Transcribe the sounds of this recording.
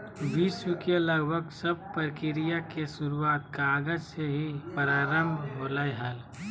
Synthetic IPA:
ʋiːswəkeləɡbʱəɡsəb̚pəɾkɪɾijakesʊɾuaːt̪kaːɡəd͡ʒseɦipəɾaːɾəmbʱɦoːlaeɦəl

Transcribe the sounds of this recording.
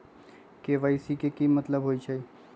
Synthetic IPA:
keʋəjsikekimət̪ləbɦoit͡ʃʰə

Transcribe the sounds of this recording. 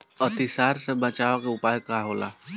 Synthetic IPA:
ət̪isaːɾsebət͡ʃaʋakeʊpaːjkaɦoːla̰

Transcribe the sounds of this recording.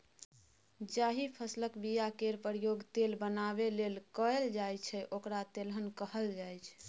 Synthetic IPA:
d͡ʒaɦipʰəsləkbijakeɾpəɾijoɡt̪elbənabelelkəld͡ʒajt͡ʃʰɛʔokɾat̪elɦənkəɦəld͡ʒajt͡ʃʰ

